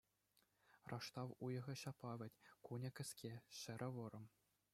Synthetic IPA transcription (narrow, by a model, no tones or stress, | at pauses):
rʔɑʂt̪ɑʋujɤ̆ʁɤ̆ɕɑpɑʋʲɘ̆tʲkunʲɤ̆kʲɘ̆sʲkʲʰeɕɘ̆ɾʲʔɘ̆ʋɤ̆ɾɤ̆m